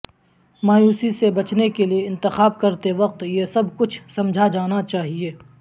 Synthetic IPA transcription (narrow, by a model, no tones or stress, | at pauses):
maːjuːsisebɐt͡ʃnekelieɪ̃nt̪ɪxaːb̚kɐɾt̪eʋɐq̚t̪jesɐbkʊt͡ʃʰsɐ̃md͡ʒʱad͡ʒaːnat͡ʃaːɦieː